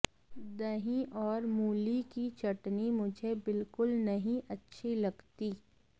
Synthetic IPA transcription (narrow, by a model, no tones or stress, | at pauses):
d̪ɐɦĩʔɔːɾmuːlikit͡ʃɐʈnimʊd͡ʒʱebɪlkʊlnɐɦĩʔɐtːʃʰilɐɡt̪iː